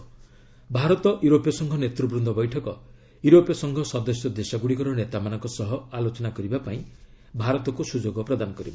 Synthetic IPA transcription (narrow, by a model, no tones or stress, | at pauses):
bʱaɾɔt̪ɔʔjuɾopjɔsɔŋɡʰʱɔnet̪ɾubɾund̪ʱɔbɔjʈʰɔkɔ | juɾopjɔsɔŋɡʱɔsɔd̪ɔsjɔd̪esɔɡuɽikɔɾɔnet̪amanɔ̃ŋkɔsɔɦɔalot͡ʃɔnakɔɾibapaĩ | bʱaɾɔt̪ɔkusud͡ʒoɡɔpɾɔd̪anɔkɔɾibɔ